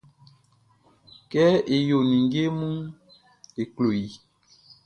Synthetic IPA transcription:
kɛ˦e˨jo˨nĩ˨ŋɡe˦mu˦ | e˨klo˨ji˨

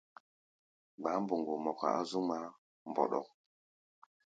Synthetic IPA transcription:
ɡ͡ba˨˦mbu˨ŋɡu˨mo˨ka̰˨a˦zu˦ma˦ | mbo̰˨ɗɔ̰˨k̚

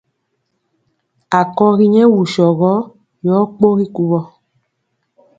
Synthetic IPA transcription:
a˨kɔ˧ɣi˦ɲɛ̃˦wu˨ʃɔ˨ɣɔ˦ | jɔː˨˦k͡po˦ɾi˦ku˧βɔ˨˧

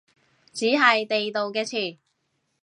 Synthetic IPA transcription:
t͡siː˨˥ɦɐ˨jt̪e˨jt̪o˨wkɛː˧t͡sʰyː˨˩

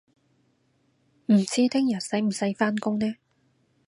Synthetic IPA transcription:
m̩˨˩t͡siː˥t̪ʰɪ˥ŋjɐ˨t̚sɐ˨˥jm̩˨˩sɐ˨˥jfaː˥nkʊ˥ŋnɛː˥

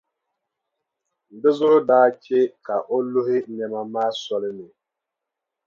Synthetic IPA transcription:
n̩˨dɪ˦zʊ˦ʔʊ˦daː˦t͡ʃe˦ka˨ʔo˦lʊ˦ɦɪ˦ɲɛ˨ma˨maː˦sɔ˦lɪ˦nɪ˨

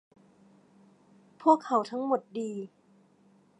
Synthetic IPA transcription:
pʰu˥˩əkʰːa˩˦wt̪ʰa˦˥ŋmo˨˩t̪̚diː˧

